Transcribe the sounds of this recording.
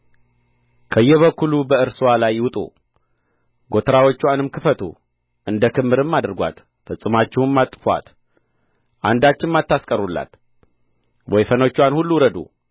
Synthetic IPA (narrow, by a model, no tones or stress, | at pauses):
kʰəjːɛβəkːulubəɨɾswalajwʊt̪ʼṵ | ɡo̞t̪ʰəɾawo̞t͡ʃːuanɨmkʰɨfət̪ʰṵ | ʔɨnd̪əkʰɨmːɨɾɨmːad̪əɾɡʷa̰t̪ | fɨsʼɨmat͡ʃːɪwɨmːat̪ʼːɨfa̰t̪ | ʔa̰nd̪at͡ʃːɪnmat̪ːaskʼəɾulːa̰t̪ | wɔjfənot͡ʃːuanhulːuɾəd̪ṵ